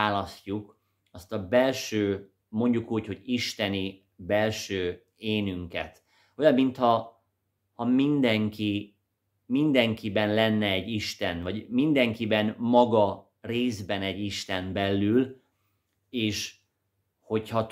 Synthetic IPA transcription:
aːlɒscuk | ɒst̪ɒbɛlʃøː | mo̞ɲɟukuːcho̞ɟiʃt̪ɛni | bɛlʃøː | eːnyŋkɛ̰t̪ | o̞jɒmːint̪hɒ | hɒmind̪ɛŋki | mind̪ɛŋkibɛnlɛnːɛːɟːiʃt̪ɛnvɒɟmind̪ɛŋkibɛnmɒɡɒ | reːzbɛnɛɟːiʃt̪ɛmbɛlːyl | eːʃ | ho̞chɒt̪

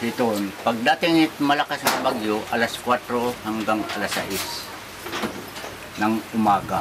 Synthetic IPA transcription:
hɪt̪onpɐɡ̚d̪at̪ɪŋɪt̪mɐlakasnabaɡjoʔɐlaskwat̪ɾohaŋɡaŋɐ̰lasa̰ʔɪs | nɐŋʊmaːɡa

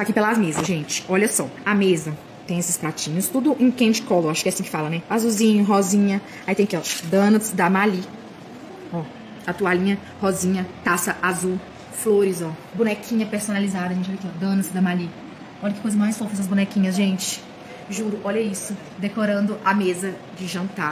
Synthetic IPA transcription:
t̪akipelazmezɐsʒẽnt͡ʃɪ̥ɔʎɐsɔamezɐ | t̪ẽj̃esɪ̥spat͡ʃĩɲʊst̪ud̪ʊʔẽkẽd͡ʒɪkɔlʊaʃʊkɛasĩkɪ̥falɐnɛazuzĩɲʊɦɔzĩɲɐ | ait̪ẽj̃kɔd̪ɐ̃nɐsd̪ɐmaʎi | ɔ | at̪ualĩɲɐ | hɔzĩɲɐt̪asɐʔazu | floɾɪzɔbũnɛkʰĩɲɐpeɾsonalizad̪ɐʒẽt͡ʃɪvavikiɔd̪ɐ̃nɐsd̪ɐmali | ɔʎɐkɪ̥kojzɐmajsfofɐɛsɐzbũnɛkĩɲɐsʒẽt͡ʃɪ̥ | ʒuɾʊʔɔʎɐisʊ | d̪ekoɾɐ̃nd̪ʊʔamezɐ | d͡ʒɪʒɐ̃nt̪a

